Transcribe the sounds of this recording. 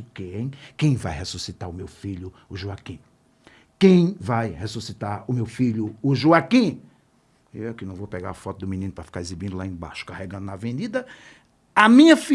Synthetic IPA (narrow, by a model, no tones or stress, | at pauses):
kej̃kẽj̃va̰jhesusit̪aɾʊmewfiʎʊʊʒuakĩ | kẽj̃vajhesusit̪aɾʊmewfiʎʊʊʒuakĩ | ekɪnɐ̃w̃vopeɡaɾafɔt̪ʊd̪ʊmĩnĩnʊpɾɐfi̥kaɾezibĩnd̪ʊlaẽj̃ba̰ʃʊ̥kaheɡɐ̃nd̪ʊnavẽnid̪ɐ | ɐmĩɲɐfi